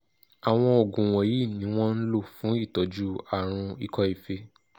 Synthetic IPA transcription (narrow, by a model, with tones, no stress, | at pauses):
a˨w̃ɔ̃˧o˨ɡũ˨w̃ɔ̃˨ji˦˨nĩ˨˦w̃ɔ̃˦n̩˦lo˦˨fũ˨˦i˦˨tɔ˨˦d͡ʒu˦a˦˨ɾ̃ũ˧i˦kɔ˧˦i˦˨fe˧